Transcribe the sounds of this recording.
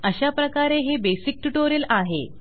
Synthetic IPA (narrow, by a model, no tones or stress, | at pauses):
əɕapɾəkaɾeɦebesik̚ʈuʈoɾilaɦḛ